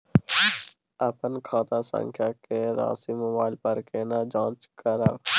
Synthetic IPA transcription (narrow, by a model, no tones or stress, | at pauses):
ɐpənkʰaːt̪asə̰̃ŋkʰjakeɾa̰ːsimʊbaːɪlpəɾkeːnad͡ʒãːt͡ʃkəɾə̰ʋ